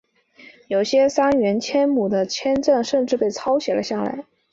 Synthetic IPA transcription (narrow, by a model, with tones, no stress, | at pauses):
jo˨˩ʊɕjɛ˥sa˥nɥɛ˧˥nt͡ɕʰjɛ˥nmu˨˩d̪ə˦t͡ɕʰjɛ˥nʈ͡ʂə˥˩ŋʂə˥˧ŋʈ͡ʂɻ̩˥˧pe˥˩ɪt͡sʰɑ˥ʊɕjɛ˨˩lʔə˦ɕja˥˩la̰˧˥ɪ